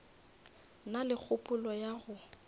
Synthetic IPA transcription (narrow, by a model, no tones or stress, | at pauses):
nalɪk͡xʰʊpʼʊlɔjaɣʊ